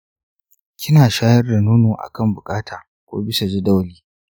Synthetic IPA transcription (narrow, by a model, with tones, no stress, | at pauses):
kʲɪ˦naː˨ʃaː˦jɐ˦rda˨nuː˦noː˨ʔa̰˨kɐ˦˨mbʊ˨kʼaː˦tʰaː˨ | kʷo̰ː˦bɪ˦sa˨d͡ʒɪ˦da˦wliː˦